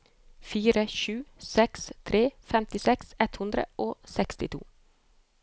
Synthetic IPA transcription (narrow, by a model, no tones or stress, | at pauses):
fiːɾəʃʉːsɛkst̪ʰɾeːfɛmt̪ɪsɛksɛt̪hʉnd̪ɾə̰ʔoːsɛkst̪ɪt̪ʰṵː